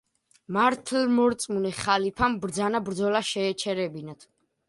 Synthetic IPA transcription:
maɾt̪ʰlmɔɾt̪sʼmunɛχalipʰambɾd̪zanabɾd̪zɔlaʃɛːt͡ʃʰɛɾɛbinat̪ʰ

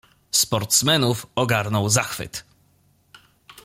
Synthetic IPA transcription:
spɔɾt̪smɛnufɔɡaɾnɔwzaxfɘ̰t̪

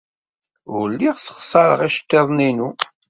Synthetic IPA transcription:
ʊɾlːiʁsə̥χsˤɑɾə̰ʁiʃt̪ːeðˤninu

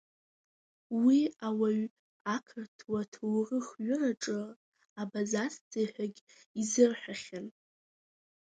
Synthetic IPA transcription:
wiawaɥ | akʰɨrtʰwatʰuwrɨχɥʊraʈ͡ʂʼɨ | abazast͡sʰaħʷᶣaɡʲ | izɨrħʷᶣaχʲan

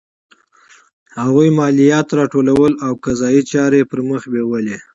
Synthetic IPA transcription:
haɣujmɑlijɑt̪ɾɑʈolawəlawkazɑjit͡ʃɑɾepəɾməxbewəle

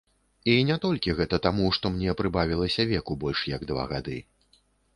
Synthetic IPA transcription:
inʲat̪ɔlʲkʲiɣɛt̪ɐt̪amuʂt̪ɔmnʲɛpɾɨbavʲilˠɐsʲɐvʲɛkubɔlʲʂjɐɡd̪va̰ɣa̰d̪ɨ

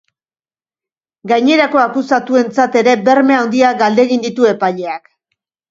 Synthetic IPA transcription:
ɡajɲe̞ɾako̞akusat̪ue̞nt͡sat̪e̞ɾe̞be̞ɾme̞awnd̪iaɡald̪e̞ɣind̪it̪ue̞paʎe̞ak

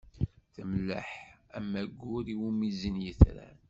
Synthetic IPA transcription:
θəmlːə̰ħæmːæɡʷːʊɾiwumizənjəθɾæ̰n

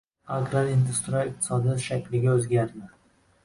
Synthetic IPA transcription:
aɡɾalind̪ɪst̪ɾɒjɪq̚t̪ʰɪ̥sɒd̪ɪʃakʲlɪɡʲaɵzɡʲaɾd̪ɪ

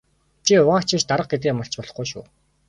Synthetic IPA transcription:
t͡ɕʰiʊʁaːkt͡ɕʰĭʃt̪aɾə̆q̚ɡet̪̬eːmaɬt͡ɕpɔɮɞ̆χɡujʃṵː

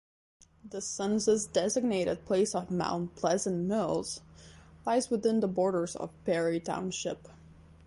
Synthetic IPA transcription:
ðɨsʌ̃nzɨzdɛzɨɡ̚neɪɾɨd̚pʰl̥eɪsʌvmã̰ʊ̃npʰl̥ɛzə̃nmɪlˠz̥laɪzwɨðɪ̃nðəbɔɹɾə˞zʌ̰v̥pʰɛɹitʰã̰ʊ̃nʃɪ̰p

